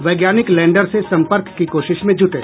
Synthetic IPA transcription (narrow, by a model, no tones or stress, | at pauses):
ʋɐɪɡjaːnɪklɛ̃ːɳɖəɾsesɐ̃mpəɾkːikoːʃɪʃmẽd͡ʒʱʊʈḛː